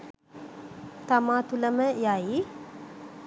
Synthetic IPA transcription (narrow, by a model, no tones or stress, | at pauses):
t̪amaːt̪uləməjai